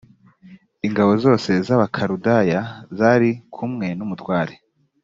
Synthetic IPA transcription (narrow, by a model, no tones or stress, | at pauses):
iŋɡaβo̞zo̞ːse̞zaβakʰaɾudajazaɾikʰumŋe̞numutwaːɾe